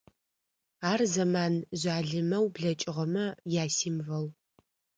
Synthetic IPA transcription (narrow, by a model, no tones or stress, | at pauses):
aːrzɐmaːnʑʷaːɮɨmɐwbɮɐt͡ʃʼɪʁɐmɐjaːsiːmvɐw